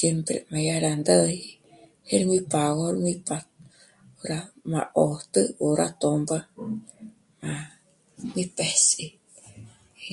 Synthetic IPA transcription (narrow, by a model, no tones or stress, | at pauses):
sempɾḛmajaɾand̪əj | heɾmipaɣoɾmipa | oɾama̰ʔot̪əoɾʔa̰t̪omba | ma | mipesi